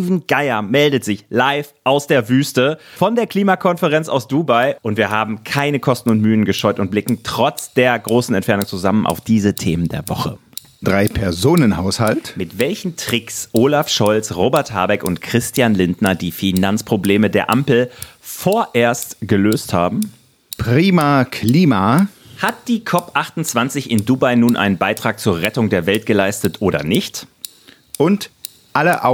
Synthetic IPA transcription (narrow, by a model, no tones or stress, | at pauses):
iːvn̩ɡ̥aɪɐmɛldətz̥ɪçlaɪfʔaʊsd̥eːɐvyːstəfɔndeːɐkliːmakʰɔnfəʁɛnt͡sa̰ʊsd̥uːbaɪʔʊntv̥iːɐɦaːbm̩kʰaɪnəkʰɔstn̩ʊntmyːənɡəʃɔʏtʊnt̚b̥lɪkŋ̩tʁ̥ɔt͡sd̥eːɐɡʁoːsn̩ɛntfɛɐnʊŋt͡suzamənʔa̰ʊfd̥iːzətʰeːməndeːɐvɔχə | d̥ʁaɪpʰɛɐzoːnənhaʊshaltmɪtv̥ɛlçn̩tʁ̥ɪksʔoːlafʃɔlsʁoːbɛɐthaɐbɛkʊntkʁ̥ɪstjanlɪndnɐdiːfinant͡spʁ̥obleːmədeːɐʔampl̩foːɐʔeːɐstɡ̥əløːsthaːbm̩ | pʁ̥iːmakʰliːma | hat̚d̥iːkʰɔpʔaχtʊnt͡sv̥ant͡sɪçɪnduːbaɪnuːnʔa̰ɪnənbaɪtʁ̥aːk̚t͡suːɐʁɛtʊŋdeːɐvɛltɡ̥əlaɪstətʔoːɾɐ̰nɪçt | ʔʊnt | ʔaləʔ